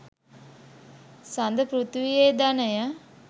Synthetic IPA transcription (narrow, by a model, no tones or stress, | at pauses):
sand̪əpɾut̪ʋijed̪anəjə